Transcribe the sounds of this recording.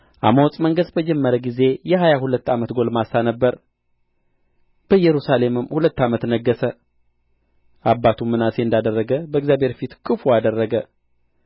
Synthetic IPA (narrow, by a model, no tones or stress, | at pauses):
ʔa̰məwɔt͡sʼməŋɡəsbəd͡ʒɛmːəɾəɡize̞jɛɦajahulət̪ːamət̪ɡo̞lmasanəbːəɾ | b̥əjɛɾusale̞mɨmhulət̪ːamət̪nəɡːəsə | ʔabːat̪ʰumːɨnase̞ɨnd̪ad̪ərːəɡəbəɡzjabʱe̞ɾfit̪kʰʼɨfuad̪ərːəɡə